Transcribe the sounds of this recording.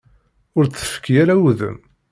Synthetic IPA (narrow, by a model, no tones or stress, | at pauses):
ʊɾt͡sːə̥fə̥kːjaɾauðə̰m